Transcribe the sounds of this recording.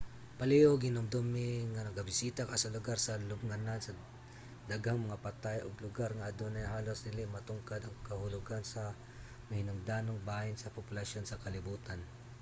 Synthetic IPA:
pɐlɛʔoɡɪnʊmd̪omːɪŋanɐɡɐbɪsiːt̪ɐkɐsɐlʊɡaɾsɐlʊb̚ŋɐnansɐ | d̪ɐɡaŋmɐŋapɐt̪ajʔoɡlʊɡaɾŋɐʔɐd̪onɐjhaːlosnɪlɪmɐt̪ʊŋkad̪ɐŋkɐhʊlʊɡansɐ | mɐhɪnʊŋd̪aːnoŋbaːjɪnsɐpopʊlɐʃo̞nsɐkɐlɪbuːt̪an

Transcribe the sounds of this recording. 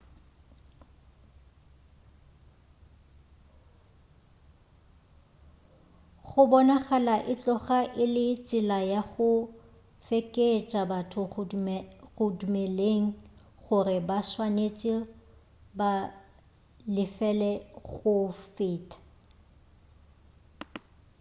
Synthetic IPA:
ɣʊbɔnaɣalaʔɪt͡ɬʼɔχaʔɪlɪt͡sʼɪlajaɣʊ | fekʼet͡ʃʼabatʰʊ | ɣʊdumeleŋ̩ | χʊrɪbaswanet͡sʼi | ba | lɪfɛlɛɣʊfɪːtʼḁ

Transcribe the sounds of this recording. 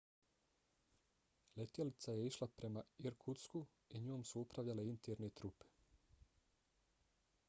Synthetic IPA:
let̪jelit̪saje̞iʃlapɾe̞maiɾkʰut̪sku | iɲoːmsuupɾaʋʎale̞int̪eɾnet̪ɾupe̥

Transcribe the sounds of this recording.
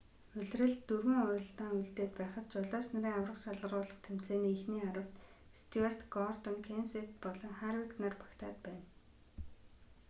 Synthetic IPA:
ɵɮrɘ̆ɮt̪ːɵrwɘ̆ŋɔjɞ̆ɬt̪aːŋuɮt̪eːt̪̚pæːχə̆t̪̚t͡ɕʊɮɔːsnɵɾiːŋawrə̆qʃaɮə̆ʁʊːɮə̆χt̪ʰem̥t͡seːniːxniːaɾə̆w̥t̪ | st̪ʰuer̥t̪ɡɔrt̪ɔ̆ŋkʰenset̪pɔɮɞ̆ŋχaɾwiknaːrpḁkt̪ʰa̰ːt̪̚pæːn

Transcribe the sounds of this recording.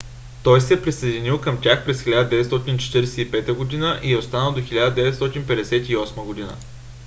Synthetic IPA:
t̪ɔjsɛɛpɾisəjd̪inilˠkəmt̪ʲjaxpɾɛsxʲilʲad̪əd̪ɛvɛt̪st̪ɔt̪int͡ʃɛ̥t̪iɾɛsɛipɛt̪əɡod̪inəʔiɛost̪anəlˠd̪oxilʲad̪əd̪ɛvɛt̪st̪ɔt̪inpɛd̪ɛsɛt̪iɔsməɡod̪inə̰

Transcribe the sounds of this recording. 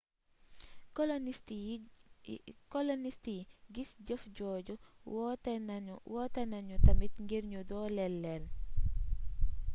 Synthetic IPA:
kɔlnisti | kɔlɔnistiɡisɟəfɟɔːɟuɔtwɔːtɐnɐɲutɐmitŋɡiɾɲudɔːlɛlːɛl

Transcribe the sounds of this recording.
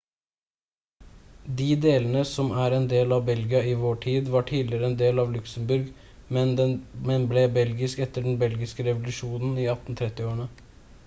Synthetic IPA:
d̪iːd̪eːlənəsɔmæɾɛnd̪eːlɑʋbɛlɡɪɑɪʋoːʈʰiːd̪ʋɑʈʰiːd̪lɪɾəɛnd̪eːlɑːʋlʉksəmbʉɾɡ | mɛnmɛnblɛbɛlɡɪskɛt̪ːəɖɛn̩bɛlɡɪskəɾɛʋʊlʉʂuːnn̩iːɑt̪n̩t̪ʰɾɛt̪ːɪoːəɳə

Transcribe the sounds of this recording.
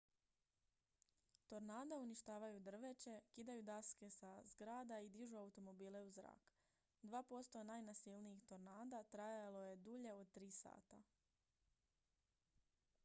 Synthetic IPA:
t̪o̞ɾnaːd̪auniʃt̪aːʋajud̪r̩ʋe̞t͡ɕe̞kid̪ajud̪aske̞sazɡɾaːd̪aid̪iʒuaut̪o̞mo̞biːle̞uzɾa̰ːk | d̪ʋaːpo̞st̪o̞najnasilniixt̪o̞ɾnaːd̪at̪ɾajaalo̞je̞d̪uʎe̞od̪̚t̪ɾiːsa̰ːt̪a

